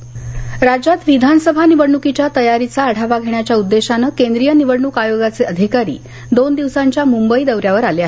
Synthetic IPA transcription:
ɾad͡ʑat̪ʋid̪ʱanəsəbʱaniʋəɽɳukit͡ɕjat̪əjaɾit͡saəɽ̤ʱaʋaɡʱeɳjat͡ɕjaud̪ːeɕanəkend̪ɾijəniʋəɽɳukajoɡat͡seəd̪ʱikaɾḭː | d̪ond̪iʋsaɲt͡ɕjamumbəid̪əʋɾjaʋəɾaleaɦ

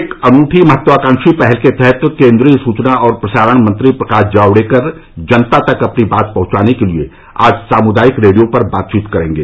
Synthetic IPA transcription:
eːkɐnuːʈʰimɐɦət̪ːʋaːkãːŋʃipɛɦɛlket̪ɛɦɛt̪kẽːnd̪ɾijsuːt͡ʃnaʔɔːɾpɾɐsaːɾəɽ̃mɐ̃nt̪ɾipɾɐkaːd͡ʒaːwɽekɐɾd͡ʒɐnt̪at̪ɐkɐpnibaːt̪̚pɐɦʊ̃t͡ʃaːnekelie | a̰ːd͡ʒsaːmʊd̪aːjɪkɾeːɽijõpɐɾbaːt̪̚t͡ʃiːt̪kɐɾẽːŋɡeː

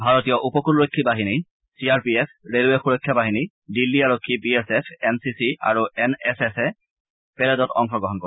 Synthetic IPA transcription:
bʱaɹotijɔʔupɔkulɹojkʰːibaɦini | siaɹpiepʰɹeluɛxuɹɔjkʰːjabaɦini | dilːiaɹokʰːibiesepʰɛnsisia̰ɹuɛnɛsesɛ | pɛlɛdɔtɔ̰ŋxɔɡɹɔɦɔnkɔ

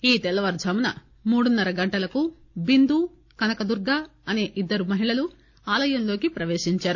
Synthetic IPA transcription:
iːt̪ɛlɐʋɐɾd͡ʒ̪ʱɐːmunɐ̰ | muːɽunːɐɾɐɡɐɳʈɐlɐku | bind̪u | kɐnɐkɐd̪uɾɡaːɐne̞ːʔid̪ːɐɾumɐɦiɭɐlu | aːlɐjɐmlo̞ːkipɾɐʋe̞ːʃiɲt͡ʃaːɾu

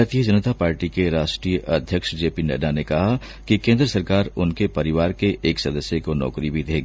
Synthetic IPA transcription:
ɾt̪iəd͡ʒɐnət̪apaːɾʈikeɾaːʃʈɾiːjəʔɐd̪ʱjəkʃd͡ʒeːpinḛːɖanekɐɦa | kikẽːnd̪ɾəsɐɾkaːɾʊnkepɐɾɪʋaːɾkeʔeːksɐd̪əsjəkonɔ̰ːkɾibʱid̪ʱeːɡiː

